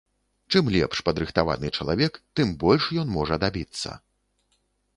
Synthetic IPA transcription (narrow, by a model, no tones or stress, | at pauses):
t͡ʂɨmlʲɛ̰pʂpɐd̪ɾɨxt̪ava̰nɨt͡ʂɐlˠa̰vʲɛkt̪ɨmbɔlʲʂjɔnmɔʐɐd̪abʲit̪sːɐ̰